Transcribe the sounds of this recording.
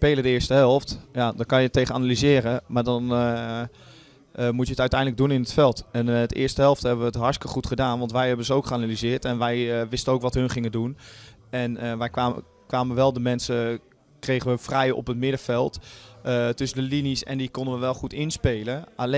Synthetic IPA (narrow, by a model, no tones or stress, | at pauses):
spejlədəɪːɹstəɦɛlˠftjadɔkɑnjətːejχənanalizɪːrəmaːɹdɑn | mutjəətœɥtɛjndləɡ̚dunɪnətfɛlˠtɛntʔɪ̰ːɹstəɦɛlˠftɦɛbəʋəətɦɑɹskəχutχədaːnʋɑntʋɛjɦɛbənzəowkχəanalizɪːɹtɛnʋɛjʋɪstənowkʋɑtɦɵnχɪŋədun | ɛnəʋɛjkaː | kʋaːməʋɛlˠdəmɛnsə | krejχəʋəfrɛjɔ̰pətmɪdəvɛlˠt | tɵsəndəlinisɛ̰ndikɔndəʋəʋɛlˠχutɪnspejləʔale